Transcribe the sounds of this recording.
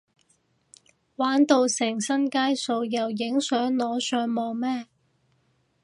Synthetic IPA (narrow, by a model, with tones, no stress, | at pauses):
waː˨˥nt̪o˧wsɪ˨˩ŋsɐ˥nkaː˥jso˧wjɐ˨wjɪ˨˥ŋsœː˨˥ŋlɔː˨˥sœː˨˥ŋmɔː˨˧ŋmɛː˥